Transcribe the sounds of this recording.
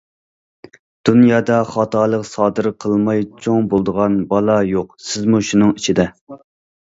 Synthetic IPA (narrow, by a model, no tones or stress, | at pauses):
d̪̥unjɑːd̪ɑχɑt̪ʰɑːlˠəqsɑːd̪ɨɾqʰəlˠmɑjt͡ʃʰoŋbolˠd̪əʁɑnbɑlˠɑjoqsɪzmuʃunɨŋit͡ʃʰid̪ɛ